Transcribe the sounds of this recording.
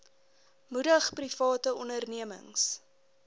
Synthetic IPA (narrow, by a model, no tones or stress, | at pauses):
mudəχprifɑːtəɔndərniəmə̰ŋs